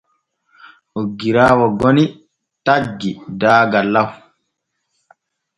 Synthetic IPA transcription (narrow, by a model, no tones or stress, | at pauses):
ʔoɡːiɾaːwɔɡɔni | taɡːidaːɡalːaw